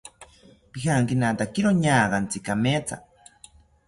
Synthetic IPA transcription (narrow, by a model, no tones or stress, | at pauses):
pihaŋkinat̪akiɾoɲaːɢant͡sikamet͡sʰa̰